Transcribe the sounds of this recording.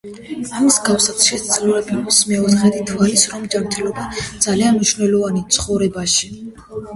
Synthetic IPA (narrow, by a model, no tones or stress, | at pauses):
amizɡafsat̪ʃɛtd̪zlɔɾɛbɛmsmɛɔt̪χɛd̪it̪ʰvalisɾɔmd͡ʒamɾt̪ʰɛlɔbad̪z̥alianmniʃvnɛlˠɔvanit̪sʰχɔvɾɛbaʃi